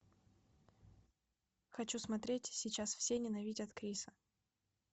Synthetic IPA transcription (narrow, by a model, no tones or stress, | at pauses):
xɐt͡ɕusmɐt̪ɾʲetʲsʲɪt͡ɕasfsʲenʲɪnɐvʲidʲɐt̪kɾʲisə